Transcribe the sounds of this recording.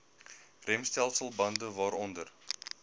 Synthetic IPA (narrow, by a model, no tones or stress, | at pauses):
rɛmst̪ɛlˠsəlˠbɑnd̪əvɑːɾɔnd̪ər